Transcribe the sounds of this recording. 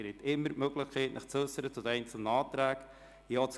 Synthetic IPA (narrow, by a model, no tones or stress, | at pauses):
ɾɪt̪ɪmːəɾmøɡlɪχkʰɛɪtnʔəχt͡søsəɾət͡sʊd̪ɛɪnt͡sl̩nəɑːt̪ɾæːk | joːt͡s